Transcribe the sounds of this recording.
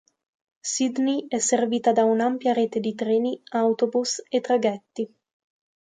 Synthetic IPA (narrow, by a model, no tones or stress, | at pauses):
sid̪niɛsːerviːt̪ad̪aunampjaɾeːt̪ed̪it̪ɾeːniawt̪obuset̪ːɾaɡɛt̪ːi